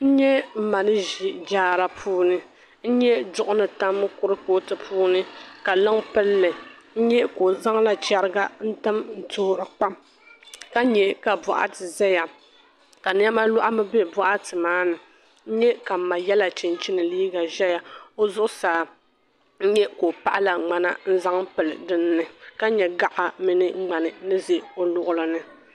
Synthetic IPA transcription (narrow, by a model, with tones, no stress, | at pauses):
n̩˦ɲɛ˦m̩˨ma˨nɨ˦ʒi˨d͡ʒaː˦ɾa˨pʰuː˦nɨ˦ | n̩˦ɲɛ˦d͡ʒʊ˦ʔʊ˦nɨ˨ta˦m˦kʊ˦ɾɨ˦ko˦tɨ˨pʰuː˦nɨ˦ka˨lɨ˦ŋpɨ˦lːɨ˨n̩˦ɲɛ˦ko˨za˦ŋla˨t͡ʃɛ˦ɾɨ˦ɡa˦n̩˦tɨ˦mn̩˨tʊː˦˨ɾɨ˨k͡pa˦m | ka˦ɲɛ˨ka˨bʊ˨ʔa̰˦tɨ˨ʒɛ˦ja˨ | ka˨n˦ɛ˦ma˦lʊ˦ʔa˦mɨ˦be˦˨bɔ˦ʔa˦tɨ˨maː˦nɨ˨ | n̩˦ɲɛ˦ka˨m˨ma˨jɛ˦la˨t͡ʃɪ˨nt͡ʃɪ˦nɨ˨liː˦ɡa˨ʒɛ˦ja˨o˦zʊ˦ʔʊ˦saː˨˦˨ | n̩˦ɲɛ˦ko˨pa˦ʔa˦la˨ŋ͡ma˦na˦n̩˦za˦ŋpɨ˨lɨ̰˨dɨ˦nː˦ɨ˨ka˦ɲɛ˨ɡa˦ʔa˨mi˦nɨ˦ŋ͡ma˨nɨ˨nɨ˦ze˨o˦lʊ˨ʔʊ˦lɨ˨nɨ˨